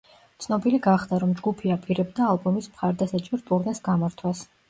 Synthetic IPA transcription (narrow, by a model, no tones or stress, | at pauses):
t̪sʰnɔbiliɡaχd̪̥aɾɔmd͡ʒɡupʰiapʼiɾɛbd̪aːlˠbɔmismχaɾd̪asat͡ʃʼɔɾt̪ʼuɾnɛsɡamaɾt̪ʰwas